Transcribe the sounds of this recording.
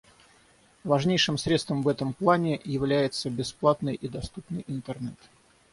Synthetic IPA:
vɐʐnʲejʂɨmsɾʲet̪st̪vəmvɛt̪əmplˠanʲɪjɪvlʲæjɪt̪səbʲɪsplˠat̪nɨjʔid̪ɐst̪upnɨjʔɪnt̪ərnɛt̪

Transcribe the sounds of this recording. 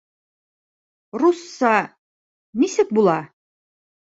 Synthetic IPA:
rusːɑ | nisɘk̚bulˠɑ

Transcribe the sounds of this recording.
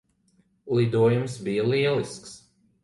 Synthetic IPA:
lˠid̪uɔjumsbijɐlˠiɛlˠisks

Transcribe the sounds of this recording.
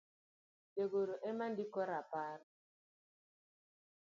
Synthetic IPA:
deɡoɾoʔemandikɔɾapaɾ

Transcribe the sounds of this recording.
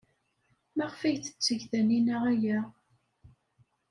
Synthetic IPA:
mæʁfæjθə̥t͡sːəʝθæninæʁæjæ

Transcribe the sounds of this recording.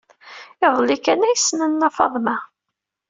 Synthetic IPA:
ɪðˤlikænæjsnænːæfɑ̰ðˤmæ

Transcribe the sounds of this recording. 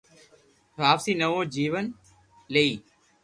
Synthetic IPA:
ʋaːpsiːnəʋõːd͡ʒiːʋən | leiː

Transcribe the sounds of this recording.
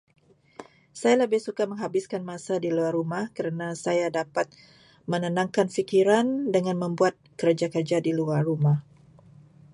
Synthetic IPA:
sajaləbɪhsukaməŋɦabɪskanmasadiluarːumahkəɾənasajadapat̪̚ | mənənaŋkanfikiɾandəŋanməmbuat̪̚kəɾəd͡ʒakərd͡ʒadiluarːumah

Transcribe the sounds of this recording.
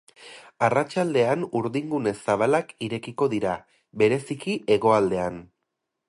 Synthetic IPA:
arat͡ʃald̪e̞anuɾðiŋɡune̞saβ̞alakiɾe̞kiko̞ðiɾa | βe̞ɾe̞sikiʔe̞ɣo̞ald̪e̞an

